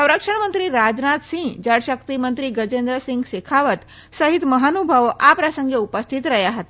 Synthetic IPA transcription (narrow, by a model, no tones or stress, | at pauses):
sə̃wɾəkʂəɳmənt̪ɾiːɾad͡znat̪sĩŋd͡ʑəɽɕək̚t̪imənt̪ɾiːɡəd͡ʑend̪ɾəsĩŋɡsekʰaʋət̪ | səɦit̪məɦanubʱəʋapɾəsəŋɡeupəst̪ʰit̪ɾəɦjaɦət̪